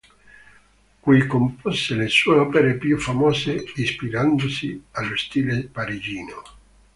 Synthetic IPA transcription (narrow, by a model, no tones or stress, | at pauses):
kuikomposelesueɔːpeɾepjufamɔːseispiɾand̪osialːost̪iːlepaɾid͡ʒiːno